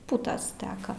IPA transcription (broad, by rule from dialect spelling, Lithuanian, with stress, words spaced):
ˈpʊtɐs ˈtʲæːkɐ